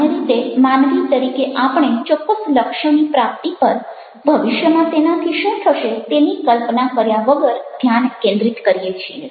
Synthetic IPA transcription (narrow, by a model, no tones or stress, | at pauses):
məɾit̪emanʋit̪əɾikeʔapəɳ̃et͡ʃɔkːəsləkʃjonipɾap̚t̪ipəɾ | bʱəʋɪʃjəmãt̪enat̪ʰiʃũt̪ʰəʃet̪enikəlpnakəɾjaʋəɡəɾd̪ʱjankẽnd̪ɾit̪kəɾijet͡ʃʰie